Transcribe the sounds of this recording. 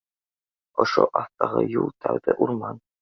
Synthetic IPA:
oʃoʔɑθt̪ɑʁɤjulˠt̪ʰæwðɘʔuɾmɑn

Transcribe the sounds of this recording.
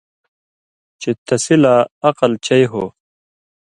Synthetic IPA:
t͡ɕet̪ɐsilaɐqɐlt͡ɕɐjɦo

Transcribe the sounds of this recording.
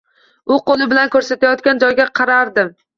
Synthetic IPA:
ʊqolˠɪbɪlankʰɵɾsat̪ʰajɒt̪̚kʲand͡ʒɒjɡʲaqʰɑɾaɾd̪ɪm

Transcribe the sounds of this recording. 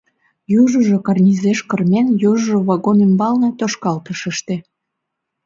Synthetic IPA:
juʒə̆ʒokɑrnʲizeʃkərmʲenjoʒʒoβɑɣonembɑlnĕt̪oʃkɑlt̪əʃəʃt̪ĕ

